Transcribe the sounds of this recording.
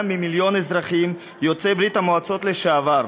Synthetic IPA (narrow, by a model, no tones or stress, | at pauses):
mːimiljo̞nezʁaχim | jo̞t͡sebɾit̪hamoat͡so̞t̪leʃaavaɾ